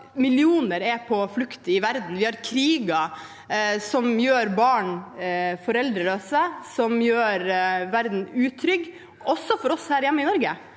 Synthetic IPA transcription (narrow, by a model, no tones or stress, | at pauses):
mɪlɪuːnəɾɛpʰɔflʉkt̪əɪʋæɾd̪n̩ʋɪhɑɾkʰɾiːɡɑ | sɔmjøːɾbɑːɳ | fɔɾɛld̪ɾəløːsəsɔmjøːɾʋæɾd̪n̩ʉːt̪ʰɾʏɡ | ɔsːɔfɔɾɔshæːɾjɛmːəɪnɔɾɡə